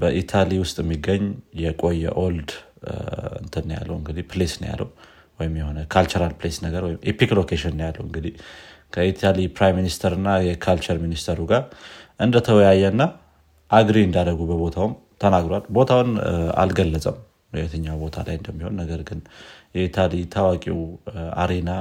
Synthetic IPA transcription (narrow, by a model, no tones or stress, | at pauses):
bəʔit̪ʰaliwʊst̪ʼjɛmːiɡːəɲːjɛkʼo̞jɛ̰ʔo̞ld̪ | ɨ̰nt̪ʰɨnːja̰lːə̰wɨŋɡɨd̪ipʰlesnə̰ja̰lːə̰w | wɔjɪmjɛho̞nəkʰalt͡ʃɛɾalplesnəɡəɾwɔjɪmʔepiklokʰeʃɪnnjalːəwɨŋɡɨd̪ih | kʰəit̪ʰalipɾajmːinist̪ʰəɾɨnːajɛkʰalt͡ʃəɾminist̪ʰəɾuɡaɾʔɨnd̪ət̪ʰəwjajːɛɨnːa | ʔaɡɾiɨnd̪ad̪əɡubəβo̞t̪ʰawm | t̪ʰənaɡɾowalbo̞t̪ʰawʊna̰lɡəlːət͡sʼəm | hɨɛt̪ʰəɲːawbo̞t̪ʰa̰lajɨnd̪əmːiho̞nːəɡəɾɡɨnjɛet̪ʰalit̪ʰawakʼiwa̰ɾe̞na